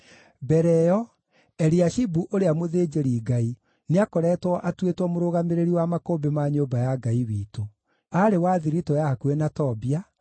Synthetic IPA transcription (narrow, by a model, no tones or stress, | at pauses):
bɛɾɛjɔ | ɛɾiaʃibuʔoɾeamoðeːd͡ʑeɾiːɡai | neakɔɾɛtwɔʔatwetwɔmoɾoɣameɾeɾiwamakombemaɲoːbajaɡaiwiːto | aɾewaðiɾitɔjakwenatɔbia